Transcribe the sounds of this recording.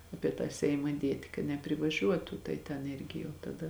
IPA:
ˈɑːpʲiɛ tɑː sʲɛɪmɐ ˈdʲiɛtʲɪ kɐ nʲɛpʲrʲɪʋɐˈʒʲuɔtʊ tɐɪ tʲɛn ˈɪrʲɡʲɪ jɛʊ tɐˈdɐ

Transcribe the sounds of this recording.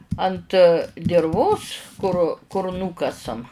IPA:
ɐnt dʲɪrˈʋoːs kʊr kʊr ˈnuːkɐsɐm

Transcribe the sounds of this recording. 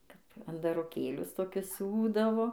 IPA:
ˈkɐp ɐndɐroːˈkʲeːlʲʊs toːˈkʲʊs ˈsʲuːdɐʋoː

